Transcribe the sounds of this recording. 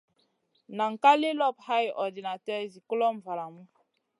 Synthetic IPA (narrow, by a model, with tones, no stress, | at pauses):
na˨ŋ˨ka˦le˦lɔ˦˨pha˦jɔ˨di˨na˨tɛ˦zi˨kɔ˦lɔ˦m̩˨va˨la˨mu˦